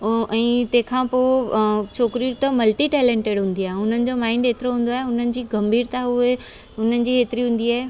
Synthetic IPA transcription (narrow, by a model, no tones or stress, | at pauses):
ɛ̃ːt̪ɐ̃ɦkʰãːpoːt͡ɕʰoːkɾiɾt̪ɐmɐlʈiʈɛːlẽːɳʈeːɽɦũːnd̪iaːɦeʊn̤ənɪ̆d͡ʑomaːɪ̃nɖeːt̪ɪɾoɦũːn̆d̪oaːɦeʊn̤ənɪ̆d͡ʑiːɡɐmbʱiːɾt̪aʊe | ʊn̤ənɪ̆d͡ʑiːɦeːt̪ɪɾiɦũːn̆d̪iaːɦe